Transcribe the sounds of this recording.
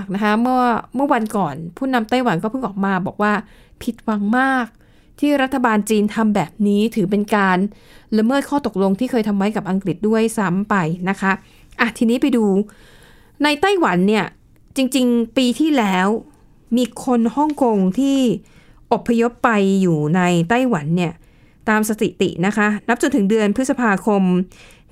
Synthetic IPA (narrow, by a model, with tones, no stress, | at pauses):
k̚na˦˥kʰa˦˥mɯ˥˩ɐmɯ˥˩ɐwa˧nkɔː˨˩npʰuː˥˩na˧mt̪a˥˩jwa˩˦nkɔː˥˩pʰɯ˥˩ŋʔɔː˨˩k̚maː˧bɔː˨˩k̚waː˥˩ | pʰi˨˩t̪̚wa˧ŋmaː˥˩k̚ | t̪ʰiː˥˩ɾa˦˥t̪ʰːa˧baː˧nt͡ɕiː˧nt̪ʰa˧mbɛː˨˩p̚niː˦˥t̪ʰɯː˩˦p̬e˧nkaː˧n | la˧mɤː˥˩t̪̚kʰɔː˥˩t̪o˨˩k̚lo˧ŋt̪ʰiː˥˩kʰɤː˧jt̪ʰa˧mwa˦˥jka˨˩p̚ʔa˧ŋkli˨˩t̪̚du˥˩əjsa˦˥mpa˧jna˦˥kʰa˦˥ | ʔa˨˩t̪ʰiː˧niː˦˥pa˧jduː˧ | na˧jt̪a˥˩jwa˩˦nːi˥˩ɐ | t͡ɕi˧ŋt͡ɕi˧ŋpiː˧t̪ʰiː˥˩lɛː˦˥w | miː˧kʰo˧nhɔ˥˩ŋko˧ŋt̪ʰiː˥˩ | ʔo˨˩pʰːa˧jo˦˥pːa˧jːuː˨˩na˧jt̪a˥˩jwa˩˦nːi˥˩ɐ | t̪aː˧msa˧t̪ḭ˨˩t̪ḭ˨˩ʔna˦˥kʰa˦˥na˦˥p̚t͡ɕo˧nt̪ʰɯ˩˦ŋdɯ˧ənpʰɯ˦˥t̪sa˧pʰaː˧kʰo˧m